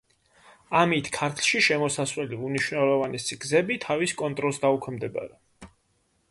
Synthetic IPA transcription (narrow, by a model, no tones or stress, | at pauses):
amit̪ʰkʰaɾt̪ʰlˠʃiʃɛmɔsaswɛliuniʃwnɛlˠɔvanɛsiɡzɛbit̪ʰaviskʼɔnt̪ʼɾɔlˠsd̪aukʰɛmd̪ɛba̰ɾɛ